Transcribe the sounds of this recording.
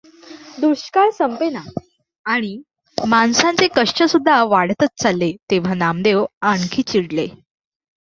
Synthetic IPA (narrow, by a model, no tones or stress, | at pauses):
d̪uɾɕkaɾsəmpena | aɽ̃i | mansãnt͡sekəʂt͡ɕəsud̪ʱːaʋaɽ̤t̪ət͡st͡salːet̪eʋ̤anamd̪ewaɳkʰiːt͡ɕiɽle